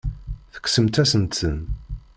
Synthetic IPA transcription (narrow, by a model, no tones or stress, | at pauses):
θə̥ksəmt̪æsənt̪sən